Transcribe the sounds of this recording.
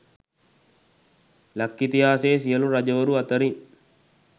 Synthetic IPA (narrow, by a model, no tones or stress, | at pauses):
lɐkːit̪ijaːseːs̬ijɐluɾɐd͡ʒɐʋɐɾuɐt̪ɐɾiŋ